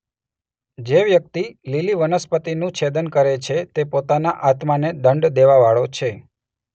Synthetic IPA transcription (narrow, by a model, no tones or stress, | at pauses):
d͡ʒeʋjək̚t̪ililiʋənəspət̪inũt͡ʃʰed̪ənkəɾet͡ʃʰet̪epot̪anaʔat̪maned̪əɳɖd̪eʋaʋaɭot͡ʃʰe